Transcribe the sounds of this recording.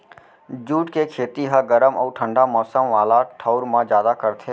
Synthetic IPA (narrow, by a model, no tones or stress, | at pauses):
d͡ʒuːʈkekʰeːt̪iɦaɡəɾəmɔːʈʰə̃ɳɖamɔːsəmʋaːlaʈʰaʊɾmãd͡ʒjaːd̪akəɾt̪ʰe